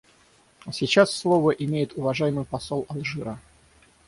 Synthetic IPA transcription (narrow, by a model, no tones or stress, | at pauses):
sʲɪt͡ɕasːlˠovəʔɪmʲejɪt̪ʊvɐʐajɪmɨjpɐsolˠɐlˠʐɨɾə